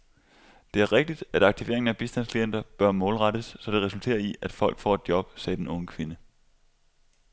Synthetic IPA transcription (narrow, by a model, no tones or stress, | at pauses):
d̥e̝æɐʁeɡ̥̚d̥id̥æɾ̥ɑ̈ɡ̥̚t͡sʰiʋe̝̰ɐeŋn̩æb̥isd̥ænskʰlien̰d̥ɐb̥ɶɐmɔːlʁɑɾ̥əsːɒ̽d̥e̝ʁɛsult͡sʰe̝̰ːɐiæd̥fɒ̽l̰ɡ̥fɒ̰ːe̝d̥jɒ̽b̥sɛːd̥enɔ̽ŋəkʰʋe̝nə